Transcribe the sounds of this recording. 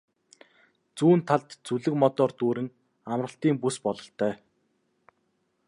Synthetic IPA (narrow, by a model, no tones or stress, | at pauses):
t͡suːnt̪ʰaɮt̪t͡suɮɘ̆kmɔt̪ɔːrt̪uːɾɘ̆ŋ | amrə̆ɬt̪iːŋpuspɔɮɞ̆ɬt̪ʰœː